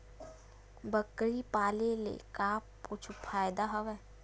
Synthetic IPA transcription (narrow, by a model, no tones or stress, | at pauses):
bəkɾipaːlelḛkaːpʊt͡ʃʰufʰaːjd̪aɦɐʋɛː